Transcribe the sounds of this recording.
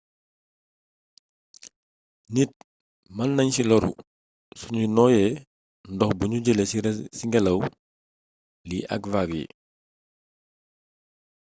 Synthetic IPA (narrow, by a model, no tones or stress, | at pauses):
nit̚ | mɐnnɐɲsilɔɾṵ | suɲunɔːjɛ | ndɔxbuɲuɟɛlɛsiŋɡɛlɐw | liʔɐ̰kvaɡjḭ